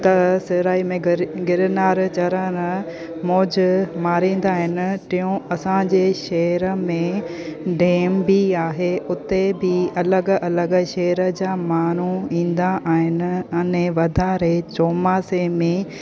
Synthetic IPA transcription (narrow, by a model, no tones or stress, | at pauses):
t̪ɐsɪɾaːimẽɡɪɾɪnaːɾt͡ɕɐɾəɾ | moːd͡ʑmaːɾĩːn̆d̪aːɦɪnɪ̆t̪ɪɦũɐsãd͡ʑeːʃɐɦəɾəmẽɖeːmbiaːɦeʊt̪ebɪɐləɡɐləɡʃɐːɾə̆d͡ʑaːmaːn̤uĩːn̆d̪aʔaːɦɪnɪ̆ɐnẽʋɐd̪ʱaːɾet͡ɕoːmaːsemẽ